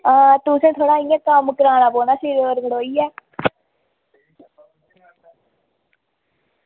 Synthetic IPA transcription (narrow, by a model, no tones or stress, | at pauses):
aːt̪ʊsẽːt̪ʰoːɽaːiːãːkəmkəɾaːnãːboːnaːsiːɾoːɾɡəɽoːiːɛː